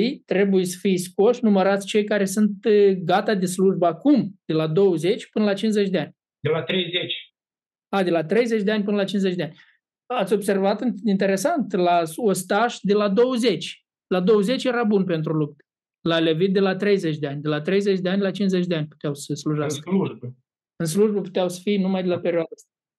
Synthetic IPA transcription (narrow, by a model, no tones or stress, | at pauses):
ijt̪ɾe̞bujesə̥fijspoʃnuməɾat̪sʲt͡ʃe̞jkaɾe̞sunt̪ɡat̪ad̪e̞sluʒbəakumd̪̥elad̪o̞wəze̞t͡ʃʲpɨnəlat͡ʃinze̞t͡ʃʲd̪ʲeanʲ | d̪elat̪ɾejzet͡ʃʲ | ad̪e̞lat̪ɾe̞jze̞t͡ʃʲd̪eanʲpɨnəlat͡ʃinzet͡ʃʲd̪eanʲ | at̪sʲo̞bse̞rvat̪ɨint̪e̞ɾe̞sant̪laost̪aʃd̪elad̪o̞wəze̞t͡ʃʲ | lad̪o̞wəze̞t͡ʃje̞ɾabunpe̞nt̪̬ɾulup̚t̪e̥ | lale̞vit̪̚d̪e̞lat̪ɾe̞jzet͡ʃʲd̪eanʲd̪elat̪ɾe̞jze̞t͡ʃʲd̪eanʲlat͡ʃinzet͡ʃʲd̪eanʲpu̥t̪eawsəsluʒasskəluʒbə | ɨns̬luʒbəpu̥t̪eawsə̥fijnumajd̪elape̞ɾʲjoad̪ast̪a